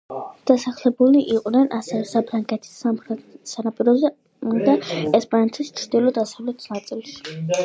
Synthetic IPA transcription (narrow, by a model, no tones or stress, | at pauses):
d̪̥asaχlɛbuliʔiqʼnɛnʔasɛvɛsapʰɾaŋɡʼɛt̪ʰi̥smχɛsanapʼiɾɔz | d̪aɛspʼanɛt̪ʰist͡ʃʰɾd̪ilˠɔd̪asavlɛt̪ʰi̥snat̪sʼilˠs